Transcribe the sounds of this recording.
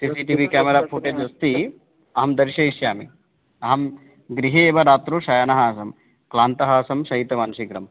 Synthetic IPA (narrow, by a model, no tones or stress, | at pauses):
sisiʈiːʋikaːmeɾaːpʰuʈed͡ʒɐst̪i | ɐɦɐmd̪ɐɾʃɐiʃjaːmi | ɐɦɐm | ɡɾiɦeːʋɐɾaːt̪ɾuʃɐjɐnɐɦaːsɐm | klaːnt̪ɐɦaːsɐmʃɐɦit̪ːɐmaːnʃikɾɐm